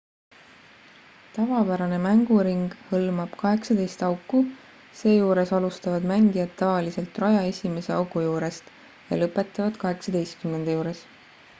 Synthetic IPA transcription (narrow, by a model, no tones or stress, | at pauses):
t̪ɑvɑpæɾɑne̞mæŋɡ̥uɾiŋɡ̥hɤlmɑb̥kɑɦe̞ksɑd̪e̞jst̪ɑwkːˑu | se̞ːjuːɾe̞sɑlust̪ɑvɑd̪mæŋɡijɑd̪ːɑvɑlise̞lt̪ːˑrɑjɑe̞sʲime̞se̞ɑwkujuːɾe̞st̪ | jɑ̰lɤpːˑe̞t̪ːˑɑvɑd̪̥kɑɦe̞ksɑd̪̥e̞jst̪kymne̞nd̪̥ɑjuːɾe̞s